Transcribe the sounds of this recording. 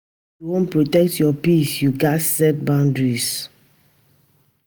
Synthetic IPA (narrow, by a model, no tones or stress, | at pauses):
juwõnpɹotɛk̚tʰjɔpisjuɡatsɛt̚bãʊ̃ndɹis